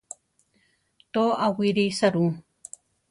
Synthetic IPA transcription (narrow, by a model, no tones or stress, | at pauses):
t̪oʔawiɾisaɾũ